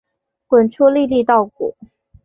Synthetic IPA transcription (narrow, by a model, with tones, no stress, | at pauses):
kwə˨˩nʈ͡ʂʰu˥li˥˧li˥˧t̪ɑ˥˩ʊkṵ˨˩˦